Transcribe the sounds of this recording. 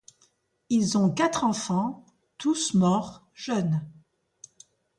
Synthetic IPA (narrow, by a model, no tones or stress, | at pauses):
ilzɔ̃kat̪χɑ̃fɑ̃ | t̪usmɔʁ | ʒ̥œn